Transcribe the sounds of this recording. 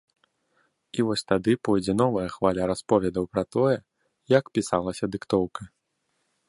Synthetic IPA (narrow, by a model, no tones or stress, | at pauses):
ivɔsʲt̪ad̪ɨpɔjd͡zʲɛnɔvɐjɐxvalʲaɾaspɔvʲɛd̪ɐwpɾɐt̪ɔjɛ | jakpʲisalˠɐsʲɐd̪ɨkt̪ɔwkɐ